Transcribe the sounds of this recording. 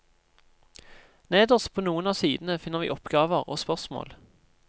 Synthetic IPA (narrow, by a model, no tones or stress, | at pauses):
neːd̪ɔspʰoːnuːənɑːsiːd̪n̩əfɪnəʁʋḭːʔɔpɡɑːʋəʁo̰ːspœʁsmo̰ːl